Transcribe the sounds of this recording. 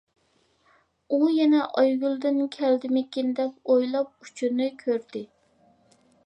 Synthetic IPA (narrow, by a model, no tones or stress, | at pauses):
ujɛnɛʔɑjɡʲylˠd̪ɪnkʲʰɛld̪ɪmɪkʲinɪd̪ɛkʲojlˠɑp̚ut͡ʃʰynɨkʲʰøɾd̪ɪ